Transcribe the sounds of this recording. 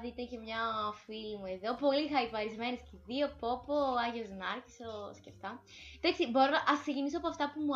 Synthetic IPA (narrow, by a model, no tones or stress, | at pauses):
ðit̪ece̞mɲɐfilimue̞ðo̞po̞lixɐipɐɾizme̞nesciðio̞po̞poɐʝeoznɐɾçisosceft̪ɐ | d̪ɐksibo̞ɾonɐʔɐsksecinisoɐpoɐft̪ɐpumu